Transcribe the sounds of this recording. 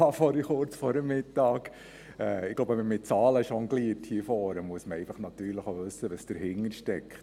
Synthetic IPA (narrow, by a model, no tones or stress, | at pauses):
ɑfɔɾiχʊɾt͡sfɔɾəmːɪtɑːk | ɛːɪɡ̥loʊbɛməmɪt̚t͡sɑːləʃɔŋɡliːthiəfɔːɾəmuəsməɛɪfəχnɑt̪yːɾləχoʋɵsəʋəsd̥əɾhɪŋːəɾʃtɛkχt